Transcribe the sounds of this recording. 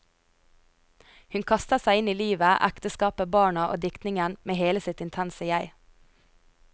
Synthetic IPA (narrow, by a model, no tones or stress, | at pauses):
hʉnkʰɑst̪əsæɪɪniːliːʋəʔæ̰kt̪əskɑːpəbɑːɳɑʔo̰ːd̪ɪkt̪nɪŋənmeːheːləsɪt̪ɪnt̪ʰænsəjæɪ